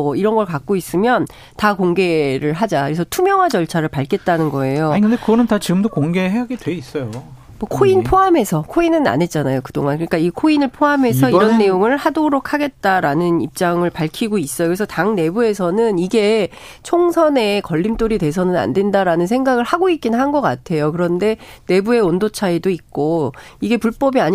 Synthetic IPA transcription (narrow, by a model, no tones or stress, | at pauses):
ʌiɾʌnɡʌɭkak̚k͈ois͈ɯmjʌn | takoŋɡe̞ɾɯɭɦad͡ʑakɯesʰʌtʰumjʌŋwad͡ʑʌɭt͡ɕʰaɾɯɭpaɭk͈ʰe̞t̚t͈anɯnɡʌe̞joɲkɯndekɯɡʌnɯntat͡ɕiɡɯmdokoŋɡe̞ɦeɦaɡidwe̞is͈ʌjo | mʌkʰoinpʰoɦame̞sʰʌkʰoinɯna̰ne̞t̚t͡ɕ͈anajokɯdoŋankɯɲik͈aikʰoinɯɭpʰoame̞s̬ʰʌiɾʌnːe̞joŋɯɭhadoɾokʰaɡe̞t̚t͈aɾanɯnip̚t͡ɕ͈aŋɯɭpaɭkʰiɡois͈ʌjokɯɾesʰʌtaŋne̞bue̞sʰʌnɯniɡe̞ | t͡ɕʰoŋsʰʌne̞kʌʎːimt͈oɾidwe̞sʰʌnɯna̰nde̞ndaɾanɯnsʰe̞ŋɡaɡɯɭhaɡoik͈̚innɦanɡʌk͈atʰe̞jokɯɾʌnde̞ne̞bue̞ondot͡ɕʰaidoik̚k͈oiɡe̞puɭp͈ʌbiaɲ